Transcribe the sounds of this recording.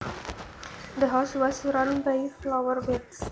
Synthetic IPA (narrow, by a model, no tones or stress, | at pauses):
d̪əɦaswɔsɾʌ̃nbajflawərbɛks